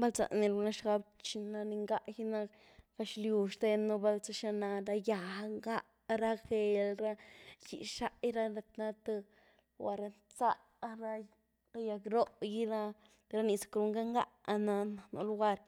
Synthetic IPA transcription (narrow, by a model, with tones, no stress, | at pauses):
ba˦lt͡sa̰˨ni˧lu˧na˦ʃɡa˧b̚t͡ʃi˧na˧ni˧ŋɡa˦ʔji˦na˦ | ɡa˧ʃlju˧ʃt̪e˧no˧ba˧lt͡sa˧ʃa˧na˧ɾa˧ja˨˧ŋɡa˦ʔ | ɾa˦xe˧lɾa˦jḭ˨ʃa˦ʔjɾa˦la˧t̪na˦t̪e˧ | wa˧ɾa˧nt͡sa˦ʔ | ɾa˧ | a˦ja˧kɾo˦ʔji˦ɾa˦ | t̪ɾa˦ni˧sḁ˨kɾu˧ŋɡa˦ŋɡa̰˦ʔa˧na˧na˨nṵ˧lu˦ɡa˧ɾ